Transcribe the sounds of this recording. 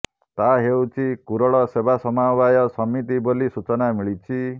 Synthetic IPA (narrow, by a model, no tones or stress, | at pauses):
t̪aɦewt͡ʃʰikuɾɔɭɔsebasɔmabajɔsɔmːit̪̬ibolisut͡ʃɔnamiɭit͡ʃʰi